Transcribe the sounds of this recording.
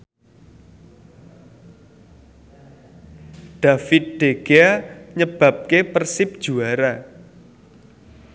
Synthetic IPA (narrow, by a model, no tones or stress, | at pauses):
ɖ̥a̤fɪt̪̚ɖ̪̥eɡ̥eaɲəb̥a̤p̚kepərsɪp̚d̥ʒ̥uaɾa